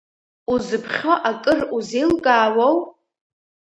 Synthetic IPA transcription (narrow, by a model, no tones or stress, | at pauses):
uzɨpʰχʲoʔakʼɨruzejlɡʼaːwow